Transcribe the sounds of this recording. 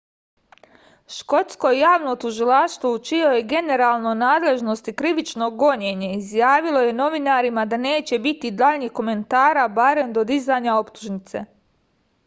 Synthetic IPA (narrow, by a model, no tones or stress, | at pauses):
ʃko̞t̪sko̞jaːʋno̞t̪uʒilaʃt̪ʋout͡ʃio̞je̞ɡe̞ne̞ɾaːlˠno̞naːd̪le̞ʒno̞st̪ikɾiʋit͡ʃno̞ɡo̞ɲe̞ɲe̞izjaːʋilˠo̞je̞no̞ʋinaɾimad̪ane̞ːt͡ɕe̞bit̪id̪aʎɲiːxko̞me̞nt̪aːɾabaɾe̞md̪o̞d̪izaɲao̞pt̪uʒnit̪se̞̰